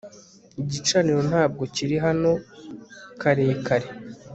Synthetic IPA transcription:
iɟit͡ʃaniɾo̞n̥haːb̚ɡo̞ciɾiɦano̞ | kaɾe̞ːkʰaɾe

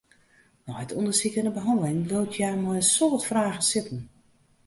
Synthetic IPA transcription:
nɔjtʰundəsikənəbəɦɔndəlɪŋloltʰjamɔjəsoːtfraːɣəsɪtən̩

